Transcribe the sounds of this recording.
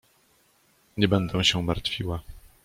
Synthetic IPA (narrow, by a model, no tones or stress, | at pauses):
ɲɛbɛnd̪ɛ̃w̃ɕɛmaɾt̪fʲiwa